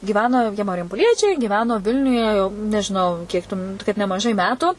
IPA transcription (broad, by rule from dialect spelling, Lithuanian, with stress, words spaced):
ɡʲiːˈʋʲæːnoː jiɛ mɐrʲjɛmpoːˈlʲiɛt͡ʃʲɛɪ ɡʲɪˈʋʲæːnoː ˈʋʲɪlʲnʲʊjɛ jɛʊ nʲɛʒʲɪˈnɐʊ ˈkʲiɛk tʊ m kɐt nʲɛmɐˈʒɐɪ ˈmʲæːtʊ